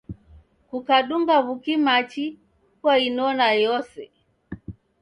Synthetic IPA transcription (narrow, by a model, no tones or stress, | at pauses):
kukaɗuŋɡaβukimat͡ʃi | kwainɔnajɔsɛ